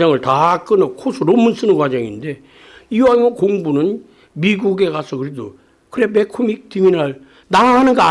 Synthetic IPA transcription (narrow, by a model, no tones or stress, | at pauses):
ʌŋɯɭtak͈ɯnʌkʰosʰuɾomɯns͈ɯnɯnkwad͡ʑʌŋinde̞ | iwajokoŋbunɯn | miɡuɡe̞kasʰʌkɯɾedo | kɯɾe̞me̞kʰumik̚timinaɭ | naɦanɯnɡʌa